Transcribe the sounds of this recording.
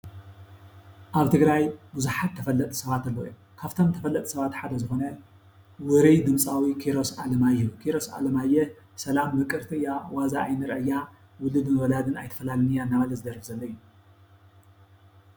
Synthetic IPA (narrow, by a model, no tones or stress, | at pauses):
ʔaβt̪ʰɨɡɾajbuzuħat̪ʰːɐfɐlːɐt̪ʼsɐβat̪ɐlːojo | kʰaft̪ʰo̞mt̪ʰɐfɐlːɐt̪ʼsɐβat̪ħad̪ɐzɨxo̞nɐ | wɨɾijd̪ɨmsʼawikʰiɾo̞salɐmajːɛjukʰiɾo̞sa̰lɐmajɛ | sɐlamːɨkʼɨɾt̪ʰiɨjːawazaʔːjnɨɾɐʔɐjːa | wʊlɨd̪mɨβɐlad̪ɨnajt̪ʰɐ̥fɐlalɨnɨjanːaβɐlɐzɨd̪ɐɾfzɐlːɐɨjːu